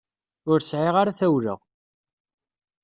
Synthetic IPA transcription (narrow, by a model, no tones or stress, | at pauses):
ʊɾsʕiʁaɾaθæwɾə̰ʁ